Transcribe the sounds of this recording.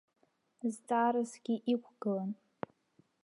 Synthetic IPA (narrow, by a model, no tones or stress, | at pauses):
zt͡sʼaːɾɨzɡʲiʔikʷʰɡ̥ɨlan